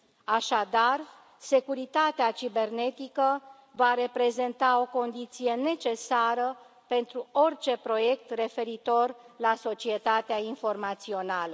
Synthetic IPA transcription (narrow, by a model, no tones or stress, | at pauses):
aʃad̪ar | se̞kuɾit̪at̪eat͡ʃibe̞rne̞t̪ikə | vaɾe̞pɾe̞ze̞nt̪ao̞ko̞nd̪it̪sije̞ne̞t͡ʃe̞saɾə | pe̞nt̪ɾuort͡ʃe̞pɾo̞je̞k̚t̪re̞fe̞ɾit̪o̞rlaso̞t͡ʃie̞t̪at̪eainfo̞rmat̪sio̞nalə